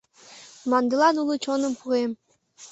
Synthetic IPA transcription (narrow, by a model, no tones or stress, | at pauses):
mɑnd̪ɤlɑnulˠɤt͡ɕonə̆mpuɣem